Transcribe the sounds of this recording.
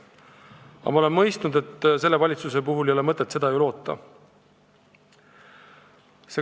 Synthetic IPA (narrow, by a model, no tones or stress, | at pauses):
ɑ̰mɑole̞nmɤ̞jst̪nud̪e̞t̪ːse̞lːe̞vɑlʲit̪suse̞puɦulejo̞le̞mɤt̪ːˑet̪se̞d̪ɑejulo̞ːt̪ːˑɑ̰ | se̞